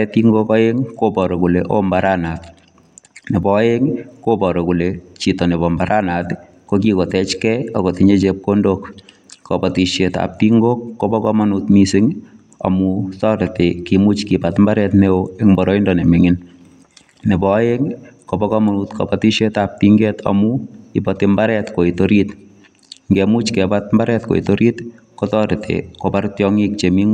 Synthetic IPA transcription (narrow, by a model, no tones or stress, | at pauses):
ɛt̪iŋɡokɔjeŋkopɔɾokuleʔo̰mbaɾanat | nepɔeŋkopɔɾokulet͡ʃitɔneβɔmbaɾanat | kokikotɛt͡ʃkɛakotiɲet͡ʃep̚kondok | kɔpɔtiʃeta̰p̚tiŋɡokːopɔkɔmanutmisɪŋ | a̰mutɔɾɪtekimut͡ʃkipatmbaɾɛtneoeŋmbɔɾɔindɔnemɪŋɪn | nebɔjeŋkobɔkɔmanutkɔ̰patiʃetap̚tiŋɡɛtʰɔ̰muipɔtimbaɾɛtkoitoɾit | ŋɡemut͡ʃkɛpat̚mbaɾɛtko̰ḭtoɾit | kotɔɾɪtḛkopaɾtjɔŋik̚t͡ʃemiŋ